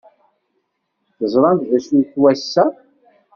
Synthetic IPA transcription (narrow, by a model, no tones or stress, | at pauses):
θəzˤɾˤɑnt̪ðæsuθwæsːæ